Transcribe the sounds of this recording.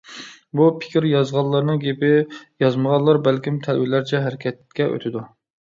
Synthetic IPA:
bupʰɪ̥kʲɪɾjɑzʁɑlˠːɑɾnɨŋɡʲepɪjɑzməʁɑllˠːɑɾbælkʲimt̪ʰælwɪlæɾt͡ʃʰɛɦæɾɪkʲʰɛt̪̚kʲɛʔø̰t̪ʰɪd̪u

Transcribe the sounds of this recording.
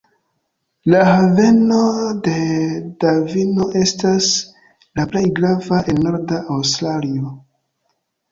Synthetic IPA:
lahave̞no̞de̞davino̞ʔe̞stas | laple̞jɡɾavaʔe̞lno̞ɾdaʔːwstɾalio

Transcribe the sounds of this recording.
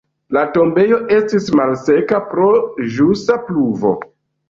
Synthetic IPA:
lato̞mbe̞jo̞ʔe̞stismalse̞kapɾo̞ʒustapluvo̞̰

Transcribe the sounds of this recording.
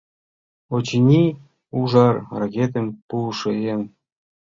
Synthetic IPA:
ot͡ɕinʲi | uʒɑrrakʲet̪ə̆mpulʃeen

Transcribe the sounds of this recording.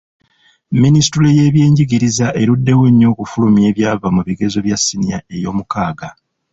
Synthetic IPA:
minisi̥tule̞je̞ːβje̞ːɲɟiɡiɾizaʔe̞ɾudːe̞we̞ɲːo̞ːkufulumje̞ːβjaːvamuβiɡe̞zo̞βjasːiniae̞jo̞ːmukaːɡa

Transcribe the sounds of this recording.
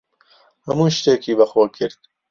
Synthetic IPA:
hɐmuːʃt̪eːkʰiːbɐxoːkʰɪɾt̪̚

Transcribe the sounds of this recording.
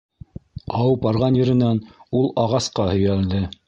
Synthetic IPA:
ɑwɤp̚bɑɾʁɑnjɘ̆ɾɘ̆nænulˠɑʁɑsqɑhɵ̆jæld̪ɘ

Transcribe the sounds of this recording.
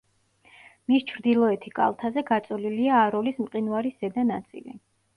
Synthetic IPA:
mist͡ʃʰɾd̪ilˠɔɛt̪ʰikʼa̰lˠt̪ʰazɛɡat̪sʼɔliliaːɾɔlismqʼinwaɾisːɛd̪anat̪sʼḭlḭ

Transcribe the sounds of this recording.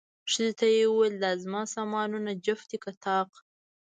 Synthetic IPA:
ʂəzet̪ajewuweld̪ɑzmɑsɑmɑnunad͡ʒaft̪ikat̪ɑːq

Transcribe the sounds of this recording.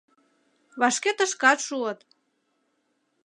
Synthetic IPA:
βɑʃket̪ə̆ʃkɑt̪ʃuət̪

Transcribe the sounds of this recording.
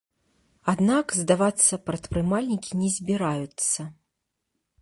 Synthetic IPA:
ad̪nakzd̪avat̪sːɐpɾɐt̪pɾɨmalʲnʲikʲinʲɛzʲbʲiɾajut̪sːɐ

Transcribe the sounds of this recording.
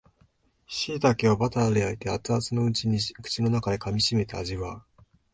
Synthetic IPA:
ɕiːt̪akeobat̪aɾeait̪e̞at͡sɨat͡sɨno̞ɯ̟t͡ɕiɲ̟ikɯ̟̥t͡ɕino̞nakad̪e̞kamʲiɕime̞t̪eaʑiβaɯ

